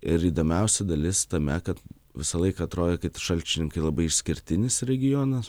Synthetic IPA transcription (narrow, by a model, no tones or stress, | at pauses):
ɪɾiːd̪oːmʲɛʊsʲɛd̪ɐlʲɪst̪ɐmʲɛkɐt̪ | ʋʲɪsɐlˠɐɪkɐːt̪ɾoːd̪ʲɛkɐɪtʲʃɐlʲt͡ʃʲɪnʲɪŋkɐɪlˠɐbɐɪɪʃʲsʲkʲɪɾʲt̪ʲɪnʲɪsɾʲɛɡʲɪjoːnɐs